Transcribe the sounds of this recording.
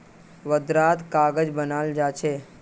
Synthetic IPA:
ʋəd̪ɾaːt̪kaːɡəd͡ʒbənaːld͡ʒaːt͡ʃʰe

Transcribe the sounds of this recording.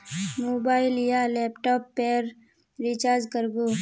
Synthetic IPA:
moːbaːɪljaleːpʈɔːpːeɾ | ɾit͡ʃaːɾd͡ʒkəɾɡo

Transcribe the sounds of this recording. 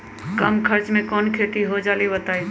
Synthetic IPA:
kəmkʰəɾt͡ʃmẽkɔːnkʰeːʈiɦod͡ʒaːlibət̪aːi

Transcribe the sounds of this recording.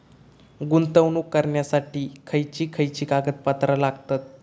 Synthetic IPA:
ɡunt̪əwnuːkːəɾɳjasaʈiːkʰəjt͡ɕiːkʰəjt͡ɕiːkaɡət̪̚pət̪ɾəlaɡt̪at̪̚

